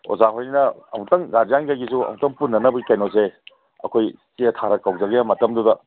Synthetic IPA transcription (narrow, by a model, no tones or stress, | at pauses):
o̰zaɦojninɐɐ̰mutɐŋɡad͡ʒjaŋkajɡisuɐ̰mutɐŋpunːɐnɐbɐikajnose | ɐ̰kʰojtitʰaɾɐkawzɐɡejamɐtɐmdudɐ